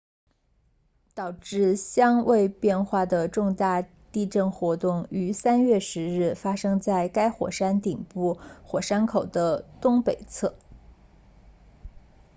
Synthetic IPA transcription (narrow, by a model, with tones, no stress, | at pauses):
t̪ɑ˨˩ʊʈ͡ʂɻ̩˥˧ɕjɑ˥ŋwe˥˧ɪpjɛ˥˧nxwa˥˩d̪ə˩ʈ͡ʂʊ˥˧ŋt̪a˥˧ | t̪i˥˧ʈ͡ʂɤ˥˩nxwɔ˧˥t̪ʊ˥˩ŋy˧˥sa˥nɥɛ˥˩ʂɻ̩˧˥ɻɻ̩˥˩fa˥ʂɤ˥ŋt͡sa˥˩ɪka˥ɪxwɔ̰˨˩ʂa˥nt̪i˨˩ŋpu˥˩xwɔ˨˩ʂa˥nkʰo˨˩ʊd̪ə˦t̪ʊ˥ŋpe˨˩ɪt͡sʰɤ˥˩